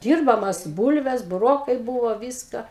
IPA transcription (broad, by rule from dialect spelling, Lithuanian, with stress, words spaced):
ˈdʲiːrbɐmɐs ˈbuːlʲʋʲɛs bʊˈroːkɐɪ ˈbuːʋoː ˈʋʲɪskɐ